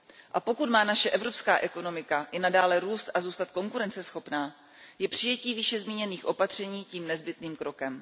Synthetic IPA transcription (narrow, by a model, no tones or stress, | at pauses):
ʔapo̞kut̪maːnaʃɛʔɛvɾo̞pskaːʔɛko̞no̞mɪkaʔɪnadaːlɛɾuːst̪ʔazuːst̪at̪̚ko̞ŋkuɾɛnt͡sɛsxo̞pnaː | jɛpr̥ɪjɛciːvɪʃɛzmiːɲɛniːxʔo̞pat̪r̝̥ɛɲiːciːmnɛzbɪt̪niːmkɾo̞kɛm